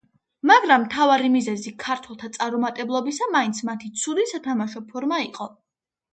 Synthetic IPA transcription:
maɡɾamːt̪ʰavaɾimizɛzikʰaɾt̪ʰwɛlˠt̪ʰat̪sʼaɾumat̪ʼɛblˠɔbisamaint̪sʰmat̪ʰit̪sʰuɾisat̪ʰamaʃɔpʰɔɾmaiqʼɔ

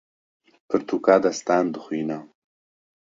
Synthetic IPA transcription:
pʰəɾt̪ʰukaːd̪ast̪aːnd̪əxwiːna

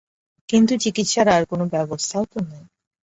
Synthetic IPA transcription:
kint̪ut͡ɕikit̪ʃaɾaɾkonobɛbost̪ʰaot̪onaj

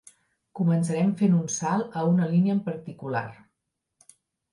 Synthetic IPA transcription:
kuməns̬əɾɛmfenunsalˠəunəliniəmpəɾt̪ikula̰r

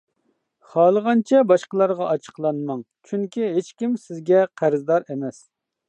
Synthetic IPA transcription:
χɑːlˠəʁɑnt͡ʃʰɛbɑʃqəlˠɑɾʁɑʔɑt͡ʃʰə̥qlˠɑnmɑŋ | t͡ʃʰyŋkʲʰiɦet͡ʃkʲimsɪzɡʲɛqʰæɾzd̪ɑɾemɛs

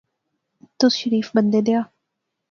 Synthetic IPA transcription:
t̪ʊsʃəɾiːfbənd̪ed̪eaː

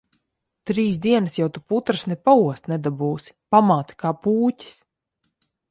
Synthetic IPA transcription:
t̪ɾiːsd̪iɛnasjawt̪uput̪ɾasnɛpauɔst̪nɛd̪abuːsi̥pamaːt̪i̥kaːpuːcʲi̥s

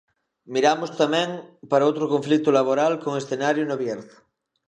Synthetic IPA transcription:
miɾamost̪amɛ̃ŋpaɾaowt̪ɾokoɱflik̚t̪ʊlaβ̞oɾalkoŋesθenaɾjonoβjeɾðo̥

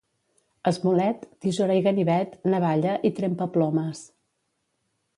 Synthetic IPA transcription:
əzmulɛt̪d̪̥izuɾajɣəniβɛt̪nəβaʎəʔit̪ɾempəplɔməs

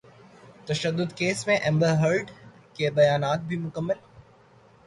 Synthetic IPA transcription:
t̪ɐʃəd̪ːʊd̪keːsmẽʔɛ̃mbəɾɦəɾɖkebɐjaːnaːt̪̚bʱimʊkəmːəl

